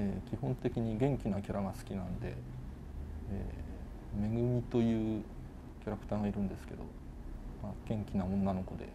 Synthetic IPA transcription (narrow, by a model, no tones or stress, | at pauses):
ekʲihõ̞nt̪e̞kʲiɲ̟iɡẽ̞ŋkʲinakʲaɾaɡasɨ̥kʲinãnd̪e̞̰ | ḛː | me̞ɡɯ̟mʲit̪o̞jɯ̟ː | kʲaɾakɯ̥t̪aːɡaiɾɯ̟̃nd̪e̞sɨ̥ke̞d̪o̞̰ | maɡ̥ẽ̞ŋkʲinaõ̞nːano̞ko̞d̪e̞̰